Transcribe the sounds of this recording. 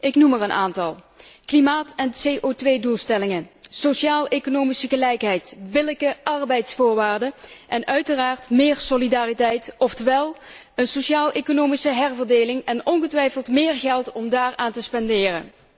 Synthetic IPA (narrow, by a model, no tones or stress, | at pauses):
ʔɪknumərənʔa̰ːntɑlˠklimaːtɛnsejʔoːtʋejdulˠstɛlɪŋəsoʃiaːlˠekonoːmisəɣəlɛjkɦɛjtbɪləkəʔɑrbɛjtsfʊːɹʋaːɹdəʔɛnœɥtəraːɹtmɪːɹsolidaːritɛjtɔftəʋɛlˠ | ənsoʃaːlˠʔekonowmisəɦɛrvəɹdeːlɪŋɛnɔnɣətʋɛjfəlˠtmɪːɹɣɛlˠtɔmdaːɹaːntəspɛndɪːrə̰n